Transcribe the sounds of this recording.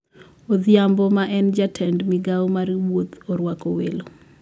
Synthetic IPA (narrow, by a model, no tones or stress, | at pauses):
oðjambɔmaʔɛnd͡ʒatʰɛndmɪɡawɔmaɾiwot̪ɔɾwakowelo